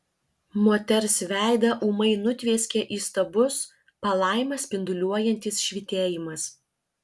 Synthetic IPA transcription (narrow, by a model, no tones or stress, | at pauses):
moːt̪ʲɛɾsʋʲæˑɪd̪ɐʔuːmɐɪnʊt̪ʲʋʲeːsʲkʲɛʔiːst̪ɐbʊs | pɐlˠɑˑɪmʲɐsʲpʲɪnd̪ʊlʲuɔjɛnʲt̪ʲɪsʃʲʋʲɪt̪ʲeːjɪmɐs